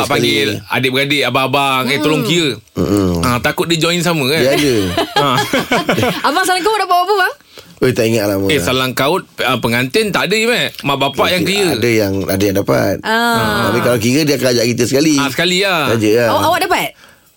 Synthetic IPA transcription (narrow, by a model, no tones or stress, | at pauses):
apaŋɡia̰dɪʔbəɡadeʔabaabaŋet̪olʊŋkiə | m̩at̪akʊt̪̚did͡ʒɔinsaməkadiadəa | abaʔsalaŋkaʊt̪̚dapaʔbaʔpəba | ojt̪aʔiŋat̪laməesalaŋkaʊt̪̚əpəŋant̪ɪnt̪aʔadəimamaʔbapaʔjaŋkəɾiədəjaŋa̰dəjaŋdapa̰t̪̚aaabikalakiɣədiakəad͡ʒaʔkit̪əsəkaliasə̥kaliaad͡ʒəjaawaʔdapat̪̚